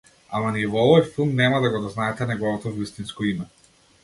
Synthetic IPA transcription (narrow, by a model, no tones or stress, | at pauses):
amaniɛvɔɔvɔjfilˠmnɛmad̪aɡɔd̪ɔznaɛt̪ɛnɛɡɔvɔt̪ɔvist̪inskɔimɛ